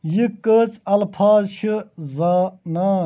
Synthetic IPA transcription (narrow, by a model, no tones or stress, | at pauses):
jikəːt͡sɐlfʰaːzɕʰɨzaːnaː